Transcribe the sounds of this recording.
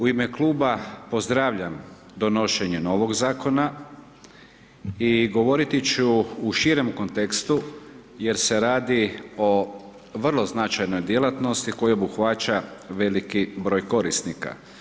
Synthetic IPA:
uimeklˠuːbapo̞zd̪ɾaːʋʎam | d̪o̞no̞ʃe̞ɲuno̞ʋoɡzaːko̞na | iɡo̞ʋo̞ɾit̪it͡ɕuːʃiɾemko̞nt̪ekst̪uje̞ɾse̞ɾaːd̪io̞ | ʋr̩lˠo̞znat͡ʃajnojd̪je̞lˠat̪no̞st̪iko̞jiobuxʋat͡ɕaʋe̞likibɾo̞ːjko̞ɾisnika̰

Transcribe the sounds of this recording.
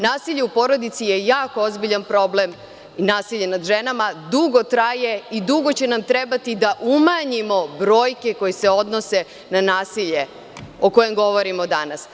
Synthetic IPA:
naːsiʎeupo̞ɾo̞d̪it̪sije̞jaːko̞ozbiʎanpɾo̞blem | inaːsiʎːenad̪ʒe̞namad̪uɡo̞t̪ɾaje̞id̪uɡo̞t͡ɕe̞namt̪ɾebat̪id̪aʔumaɲimo̞bɾo̞ːjke̞ko̞jeseo̞d̪no̞se̞ | nanaːsiʎe̞ | o̞ko̞je̞mɡo̞ʋo̞ɾimo̞d̪anas

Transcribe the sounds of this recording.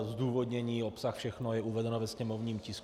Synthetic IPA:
zd̪uːvod̪ɲɛɲiːopsaxfʃɛxnojɛuvɛdɛnovɛsɲɛmovɲiːmcɪsk

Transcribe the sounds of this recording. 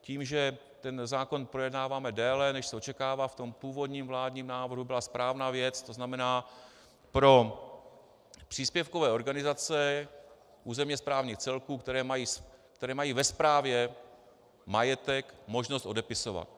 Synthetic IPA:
ciːmʒɛ | t̪ɛnzaːko̞npɾo̞jɛdnaːvaːmɛdɛːlɛnɛʃsɛo̞t͡ʃɛkaːvaːft̪o̞mpuːvo̞dɲiːmvlaːdɲiːmnaːvr̩ɦubɪlaspɾaːvnaːvjɛt͡st̪o̞znamɛnaː | pɾo̞ | pr̥iːspjɛfkovɛːʔo̞ɾɡanɪzat͡sɛ | ʔuːzɛmɲɛspɾaːvɲiːxt͡sɛlkuːkt̪ɛɾɛːmajiːskt̪ɛɾɛːmajiːvɛspɾaːvjɛ | majɛt̪ɛkmo̞ʒnost̪ʔo̞dɛpɪso̞va̰t̪̚

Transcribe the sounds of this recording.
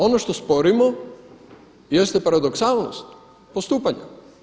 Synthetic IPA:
o̞noʃt̪ospo̞ɾimo | jest̪ɛpaɾad̪oksaːlˠno̰st̪ | post̪uːpaɲa

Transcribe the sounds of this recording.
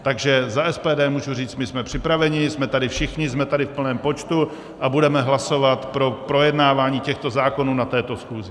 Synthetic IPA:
t̪aɡʒɛzaʔɛspɛːdɛːmuːʒuriːt͡st̪mɪsmɛpr̥ɪpɾavɛɲɪsmɛt̪adɪfʃɪxɲɪzmɛt̪adɪfpl̩nɛːmpo̞t͡ʃt̪u | ʔabudɛmɛɦlaso̞vat̪pɾo̞pɾo̞jɛdnaːvaːɲiːcɛxt̪o̞zaːko̞nuːnat̪ɛːt̪o̞sxuːzɪ

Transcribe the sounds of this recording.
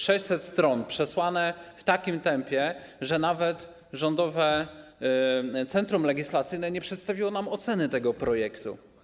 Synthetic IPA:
ʂɛɕʲsɛt̪st̪ɾɔnpʂɛswanɛft̪akʲimt̪ɛmpʲjɛʐɛnavɛt̪ | ʐɔnd̪ɔvɛ | t̪sɛnt̪ɾumlɛɡʲislat̪sɘjnɛɲɛpʂɛt̪st̪avʲiwɔnamɔt̪sɛnɘt̪ɛɡɔpɾɔjɛkt̪ṵ

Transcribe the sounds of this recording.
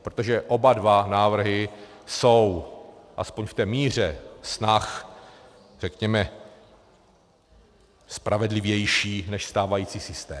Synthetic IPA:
pɾot̪oʒɛʔo̞badvanaːvr̩ɦɪ | so̞wʔa̰spoɲft̪ɛːmiːr̝ɛsnax | r̥ɛkɲɛmɛ | spɾʔavɛdlɪvjɛjʃiːnɛʃst̪aːvajiːt͡siːsɪst̪ɛː

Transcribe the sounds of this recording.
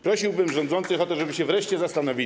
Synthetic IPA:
pɾɔɕiwbɘmʐɔnd̪zɔnt̪sɘxɔt̪ɔʐɛbɘɕɛvɾɛʂt͡ɕɛzast̪anɔvʲi

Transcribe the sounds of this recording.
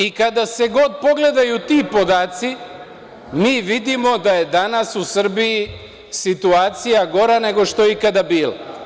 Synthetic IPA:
ikad̪ase̞ɡo̞d̪̚po̞ɡle̞d̪ajut̪iːpo̞d̪aːt̪si | miːʋid̪imo̞d̪aje̞d̪anasusr̩biji | sit̪uaːt̪sijaɡo̞ɾane̞ɡo̞ʃt̪o̞ikad̪abiːla̰

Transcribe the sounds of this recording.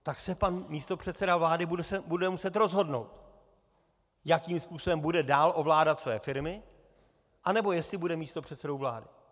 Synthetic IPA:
t̪aksɛpanmiːst̪o̞pr̥ɛt̪t͡sɛdavlaːdɪbuɛbudɛmusɛt̪ɾo̞zɦo̞dno̞̰wt̪ | jakiːmspuːso̞bɛmbudɛdaːlʔo̞vlaːdat̪svɛːfɪɾmɪ | ʔanɛbo̞jɛstlɪbudɛmiːst̪o̞pr̥ɛt̪sɛdo̞wvla̰ːdɪ

